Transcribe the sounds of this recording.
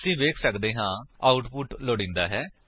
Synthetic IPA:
sĩːʋeːkʰsəkd̪eːɦãːaːʊʈpʊʈloːɽĩːnd̪aːɦɛː

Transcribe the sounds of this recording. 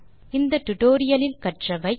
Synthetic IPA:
ɪnd̪ɐʈʊʈoːɾɪjɐlɪlkɐʈrɐʋɐɪ

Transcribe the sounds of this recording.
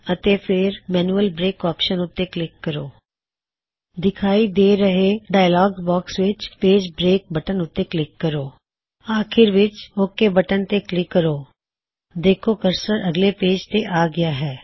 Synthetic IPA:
ət̪eːpʰɪɾmɛːnuːəlbɾeːkɔːpʃənʊt̪ːeːklɪkːəɾoː | d̪ɪkʰaːiːd̪eːɾəɦeːɖaːjlɔːɡbɔːksʋɪt͡ʃpeːd͡ʒbɾeːk̚bəʈənʊt̪ːeːklɪkːəɾoː | aːkʰɪɾʋɪt͡ʃokːeːbəʈənt̪eːklɪkːəɾoː | d̪eːkʰoːkəɾsəɾəɡleːpeːd͡ʒt̪eʔaːɡɪaːɦɛː

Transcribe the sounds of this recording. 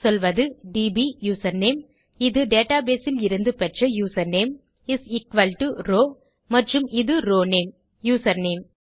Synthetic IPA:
sɔlʋɐðɯɖiːbijuːsɐɾneːm | ɪðɯɖeːʈaːbeːsɪlɪɾɯnd̪ɯpɛʈrɐjuːsɐɾneːm | ɪsɪkʋɐlʈuɾoː | mɐʈrɯmɪðɯɾoːneːm | juːsɐɾneːm

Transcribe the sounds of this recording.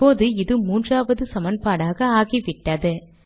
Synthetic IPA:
oːðɯɪðɯmuːndraːʋɐðɯsɐmɐnpaːɽaːɣɐaːɣiʋɪʈːɐðɯ

